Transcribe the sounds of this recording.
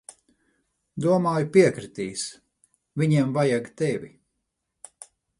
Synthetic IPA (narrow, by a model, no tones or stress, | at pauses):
d̪uɔmaːjupiɛkɾit̪iːs | vʲiɲiɛmvajaɡt̪ɛʋʲi